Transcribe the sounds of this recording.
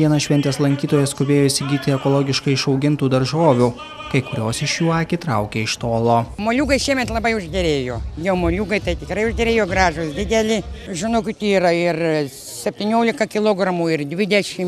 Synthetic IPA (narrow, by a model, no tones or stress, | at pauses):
ʋʲiɛnɐʃʲʋʲɛnʲt̪ʲeːslˠɐŋʲkʲiːt̪oːjɛskʊbʲeːjoːisʲɪɡʲiːt̪ʲɪɛkoːlˠoːɡʲɪʃkɐɪɪʃɒʊɡʲɪnt̪uːd̪ɐɾʒoːʋʲuː | kɐɪkʊɾʲoːsɪʃjuːɑːkʲɪt̪ɾɐʊkʲeːɪʃt̪oːlˠoːmoːlʲuːɡɐɪʃʲiɛmʲɛt̪lˠɐbɐɪʊʒʲd̪ʲɛɾʲeːjoːjɛʊmoːlʲuːɡɐɪt̪ɐɪt̪ʲɪkɾɐɪʊʒʲd̪ʲɛɾʲeːjoːɡɾɑːʒʊsd̪ʲɪd̪ʲɛlʲɪʒʲɪnoʊkʲɪt̪iiːrɐɪr | sʲɛpʲt̪ʲɪnʲoːlʲɪkɐkʲɪlˠoːɡɾɐmuːɪrd̪ʲʋʲɪd̪ʲɛʃʲɪm